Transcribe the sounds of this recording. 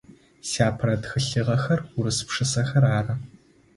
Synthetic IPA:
saːpʰrɐdxɨɬɨʁɐxɐrʊɾɨsɨ̥pʂɨsɐxɐraːrɐ

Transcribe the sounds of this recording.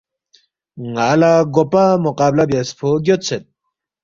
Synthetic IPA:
ŋalaɡopamoqaːblabaspʰoɡjot̪t͡sʰet̪̚

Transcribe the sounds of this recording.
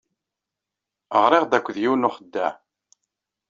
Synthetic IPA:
əʁɾˤɪʁd̪ækʷːðjiwnʊχəd̪ːæ̰

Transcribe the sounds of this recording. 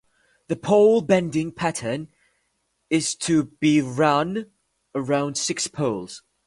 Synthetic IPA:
ðəpʰoʊlˠbɛ̃ndɪ̃ŋpʰæɾʰən | ɪz̥tʰəb̥iɹʌ̃n | əɹãʊ̃nd̥sɪkspʰoʊlˠz̥

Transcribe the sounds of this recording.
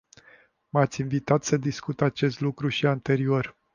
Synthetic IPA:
mat̪sʲinvit̪at̪səd̪iskut̪at͡ʃe̞st̪lukɾuʃiant̪e̞ɾio̞r

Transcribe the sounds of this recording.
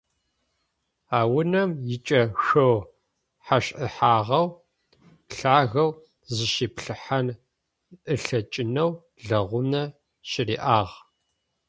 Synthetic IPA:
aːwʊnɐmjɪt͡ʃʼɐxɐw | ħaɕʼʔɨħaːʁɐw | ɬaːɣɐw | zɨʃiːpɬɨħan | ʔɨɬɐt͡ʃʼɪnɐw | ɮɐʁʷʊnɐ | ɕɪriːʔaːʁ

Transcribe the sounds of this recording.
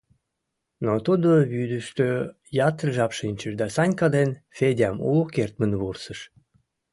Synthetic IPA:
not̪ud̪oβyd̪əʃt̪ø | jɑt̪ərʒɑpʃinʲt͡ɕəʃd̪ɑsɑnʲkɑd̪enfedʲɑmṵlukert̪̚mənβursəʃ

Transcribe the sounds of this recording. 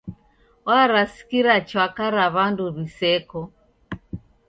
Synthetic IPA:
ɔaɾasi̥kiɾat͡ʃwakaɾaβanduβisɛkɔ

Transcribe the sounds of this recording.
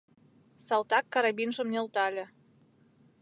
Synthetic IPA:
sɑlˠt̪ɑkːɑɾɑbinʒə̆mnĕlt̪ɑlʲĕ

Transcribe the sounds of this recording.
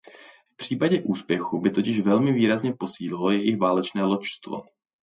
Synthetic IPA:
fpr̝̥iːpaɟɛʔuːspjɛxubɪt̪o̞cɪʃvɛlmɪviːɾazɲɛpo̞siːlɪlo̞jɛjɪxvaːlɛt͡ʃnɛːlot͡ʃst̪vo̰

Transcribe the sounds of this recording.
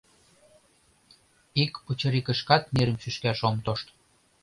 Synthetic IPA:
ikput͡ɕɤ̆ɾikə̆ʃkɑt̪miɾə̆mʃyʃkæʃomt̪oʃt̪

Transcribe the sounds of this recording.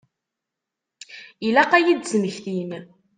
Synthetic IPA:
ilæqːæjid̪zəməçθin

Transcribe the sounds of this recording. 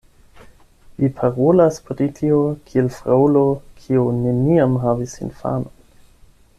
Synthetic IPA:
vipʰaɾolaspɾitʰiokʰielfɾaulokʰione̞niamɦavisḭnfa̰non

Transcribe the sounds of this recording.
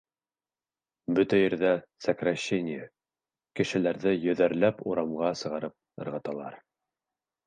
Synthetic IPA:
bɵt̪æjɘ̆ɾðæsəkrɑɕːenʲɪjɘ | kɘ̆ʃɘ̆læɾðɘjɵ̆ðæɾlæpuɾɑmʁɑsɤ̆ʁɑɾɤp̚ɤ̆ɾʁɑt̪ɑlˠɑɾ

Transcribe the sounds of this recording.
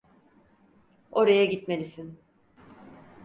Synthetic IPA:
o̞ɾajaɟit̪me̞lʲisin

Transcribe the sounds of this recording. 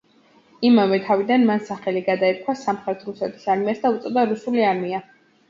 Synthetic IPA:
imavɛt̪ʰavid̪anmansaχɛliɡad̪aɛt̪̚kʰwasamχɾɛt̪ʰɾusɛt̪ʰi̥saɾmiasd̪aut̪sʼɔd̪aɾusuliaɾmia

